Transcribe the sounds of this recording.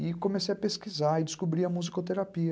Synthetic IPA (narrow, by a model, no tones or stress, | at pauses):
ɪkõmesejɐpeskizaɪd͡ʒɪskubɾiɐmuzikot̪eɾapiɐ